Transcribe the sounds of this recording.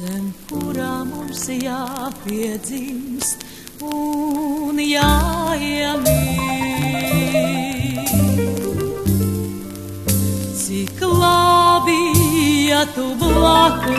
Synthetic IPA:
ɛmkuɾaːmumsjaːpiɛd̪zims | u | njaiɛmi | siklˠabijat̪ublˠaku

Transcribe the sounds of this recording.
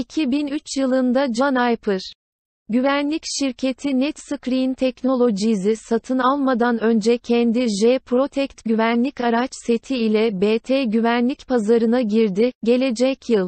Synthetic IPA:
icʰibinyt͡ʃjɯlˠɯnd̪ad͡ʒnajpʰɯɾ̥ | ɟyvænlʲicʃiɾcʰe̞t̪ʰinɛt̪sɯkɾint̪ʰɛcno̞lʲˠo̞d͡ʒizisat̪ʰɯnalˠmad̪anø̞nd͡ʒɛcʰɛnd̪iʒepʰɾo̞t̪ʰɛct̪ɟyvænlʲicaɾat͡ʃse̞t̪ʰiːlʲɛbeːt̪ʰeːɟyvænlʲicpʰazaɾɯnaɟiɾd̪iɟe̞lʲe̞d͡ʒɛcʰjɯlˠ

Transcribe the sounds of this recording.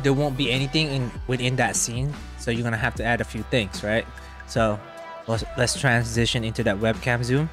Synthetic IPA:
d̪ɛwõʊ̃n̚biɛnit̪ɪ̃ŋɪ̃nwɪθɪ̃nd̪ətsĩn | soʊjuɡʌnəɦæftuæɾəfjuθɪ̃ŋsɹaɪt̚ | so | ɛlɛtstʰɹ̥æ̃nzɪʃə̃nɪ̃ntuðət̚wɛb̚kʰɛ̃mzũm

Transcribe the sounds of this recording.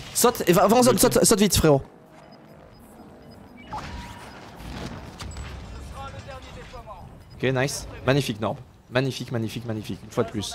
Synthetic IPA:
sɔt̪evaṽs̬ɔt̪sɔt̪sɔt̪vit̪fχeʁo | ɔkʲenasmaɲifiknɔʁb | maɲifikmaɲifikmaɲifikynfwad̪əplys

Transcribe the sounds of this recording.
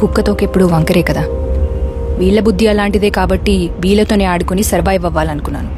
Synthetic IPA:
kukːɐt̪o̞ːkepːuɽuʋɐŋkɐɾe̞ːkɐd̪aː | ʋiːɭːɐbud̪ʱːiɐlaːɳʈid̪e̞ːkaːbɐʈːiʋiːɭːɐt̪o̞ːne̞ːaːɽukonisɐɾʋaːjɐʋɐʋːaːlɐnukunːa̰ːnu

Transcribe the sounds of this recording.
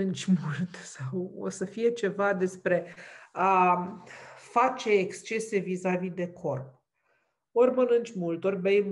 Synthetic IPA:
ɨnt͡ʃʲmult̪sawo̰səfije̞t͡ʃe̞vad̪e̞spɾe̞a | fat͡ʃe̞ːkst͡ʃe̞se̞vizavid̪e̞kʰo̞rp̚ | o̞rʲmənɨnt͡ʃʲmult̪o̞rʲbejm

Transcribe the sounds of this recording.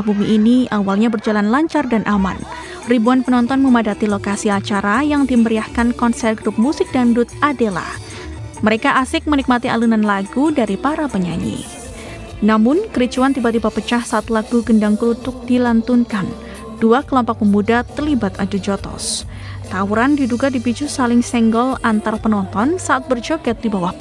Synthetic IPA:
abumiʔːniawalɲabərd͡ʒalanlaɲt͡ʃardanʔama̰n | ribuanpənɔnt̪ɔnməmadat̪ilokasiat͡ʃaɾajaŋdiməɾiahkankɔnsɛr̚ɡɾup̚musɪk̚dandʊt̪̚adela̰ | məɾekaʔasɪk̚mənik̚mat̪iʔa̰lunanlaɡudaɾipaɾapəɲa̰ɲḭ | namʊnkəɾit͡ʃuant̪ibat̪ibapət͡ʃahsaʔat̪laɡuɡəndaŋkəlut̪ʊk̚dilant̪unkan | d̥uakəlɔmpɔk̚məmudat̪ərlibat̪ad͡ʒud͡ʒɔt̪ɔ̰s | t̪auɾandiduɡadipit͡ʃusalɪŋsɛŋɡɔlant̪arpənɔnt̪ɔnsaʔat̪̚bərd͡ʒokɛt̪̚dibawah

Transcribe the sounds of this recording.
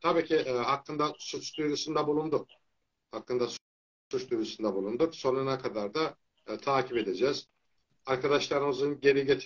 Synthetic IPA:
t̪ʰabiːcʰiʔhakːɯnd̪asut͡ʃd̪ujɾusund̪abulˠund̪uk̚ | hakːɯnd̪as | sut͡ʃd̪ujɾusund̪abulˠund̪ukso̞nunakʰad̪aɾd̪a | t̪ʰaːcʰipe̞d̪e̞d͡ʒɛːz̥ | aɾkad̪aʃlˠaɾɯmɯzɯnɟe̞ɾiɟet̪ʰ

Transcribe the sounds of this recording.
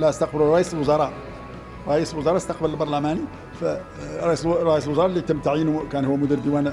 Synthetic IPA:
læʔəst̪ɑq̚bəluɾˤɑʔisəlwʊzɑɾˤɑʔ | ɾˤɑʔisəlwʊzɑɾˤɑst̪ɑqbələlbɑɾˤlæmæni | fæ | ɾˤɑʔisɾˤɑʔisəlwʊzɑɾˤɑlːit̪əmːt̪aʕjənukænhʊwːmʊd̪iɾd̪əwæn

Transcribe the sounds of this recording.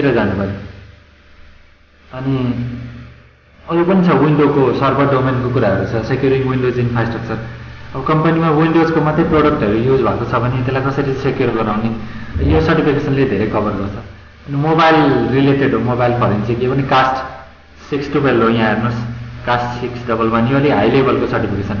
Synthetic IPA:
t̪eɾʌd͡zanupʌi | ʌni | ʌlipʌnit͡sʰʌwiɳɖokosʌrbʱʌrɖomenkokuɾaɦʌɾut͡sʰʌsekjoɾiwinɖod͡zinpʰajsʈʌkt͡sʌrʌbʌkʌmpʌnimawiɳɖozkomat̪rʌjproɽʌk̚ʈʌɾujud͡zbʱakot͡sʰʌbʱʌnet̪elajkʌsʌɾisekjorɡʌɾaw̃nejosʌrʈipʰikesʌnled̪ʱeɾejkʰʌbʌrɡʌrt͡sʰʌ | ʌnimobajlrileʈeɖɦomobajlpʰʌɾend͡zikebʌnikasʈ | siksʈubelɦojãernoskasʈsiksɖʌbʌlbʱʌniʌliɦajlebʱʌlkosʌrʈipʰikesʌn

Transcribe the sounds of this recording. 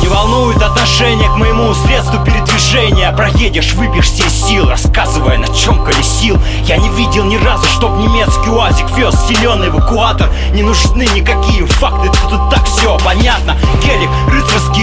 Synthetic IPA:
nʲɪvɐlˠnujʊt̪ɐt̪nɐʂɛnʲɪjəkməjɪmusɾʲe̞t̪st̪vʊpʲɪɾʲɪd̪vʲɪʐɛnʲɪjəpɾɐjedʲɪʂvɨpʲɪʂsʲesʲilˠrɐskazɨvəjənɐt͡ɕo̞mkəlʲɪsʲilˠ | janʲɪvʲidʲɪlˠnʲɪrazʊʂt̪o̞bnʲɪmʲe̞t̪skʲɪʊazʲɪkvʲoszʲɪlʲo̞nːɨjɪvəkʊat̪ər | nʲɪnʊʐnɨnʲɪkɐkʲijəfakt̪ɨud̪ut̪ːakfsʲopɐnʲat̪nəkʲelʲɪkrɨt̪əskʲɪ

